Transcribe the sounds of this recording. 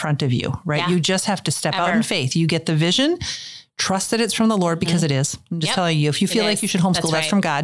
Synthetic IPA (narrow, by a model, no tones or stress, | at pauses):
fɹʌ̃ntʌvjʉ̰ɹaɪʔjɨd͡ʒʌst̚hæftɨstɛpaʊɾn̩feɪθjɨɡɛt̪̚ðɨvɪʒɨ̃ntʰɹ̥ʌst̪̚ðɨɾɨtsfɹʌ̃mðəlɔɹd̚bɨkʰʌzɨɾɪz̥ãɪ̃md͡ʒʌstʰɛlˠɪ̃ŋjɨɨfjɨfilaɪkjɨʃɨd̚ɦõʊ̃mskulˠðæsfɹʌ̃mɡɑd̥̚